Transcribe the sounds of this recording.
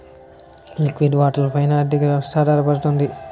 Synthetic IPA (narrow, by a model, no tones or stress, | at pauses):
likʋiɖʋaːʈɐlɐpɐjnaːd̪ikɐʋjɐʋɐst̪ʰad̪ɐɾɐpɐɾut̪und̪i